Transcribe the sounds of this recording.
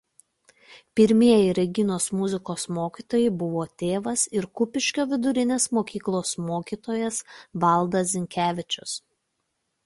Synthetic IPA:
pʲɪɾʲmʲiɛjɪɾʲɛɡʲɪnoːsmʊzʲɪkoːsmoːkʲiːt̪oːjɛbʊʋoːt̪ʲeːʋɐsɪɾkʊpʲɪʃʲkʲoːʋʲɪd̪ʊɾʲɪnʲeːsmoːkʲiːklˠoːsmoːkʲiːt̪oːjɛsʋɐlˠˑd̪ɐsʲzʲɪŋʲkʲæːʋʲɪt͡ʃʲʊs

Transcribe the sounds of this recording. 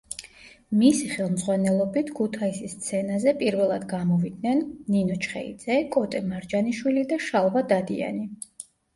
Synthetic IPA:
misiχɛlˠmd̪zʁwanɛlˠɔbit̪ʰkʰut̪ʰaisist̪sʰɛnazɛpʼiɾvɛlˠad̪ɡamɔvid̪nɛnːinɔt͡ʃʰχɛ̰ḭd̪zɛkʼɔt̪ʼɛmaɾd͡ʒaniʃwilid̪aʃalˠvad̪ad̪ia̰ni

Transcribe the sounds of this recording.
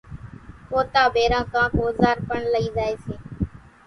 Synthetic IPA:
poːt̪aːbʱeːɾãːk̪ãːkoːzaːɾpəɳləiːzaːeːseː

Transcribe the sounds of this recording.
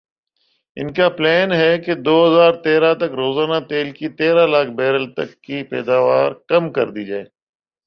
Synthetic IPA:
ɪ̰nkaːplɛːnɦɛːked̪oːɦəzaːɾt̪eːɾaːt̪əkɾoːzaːnaːt̪eːlkit̪eːɾaːlaːkʰbɛːɾəlt̪ə̰kːiːpɛ̰ːd̪aːʋaːɾkɐmkə̰ɾd̪iːd͡ʒaːeː

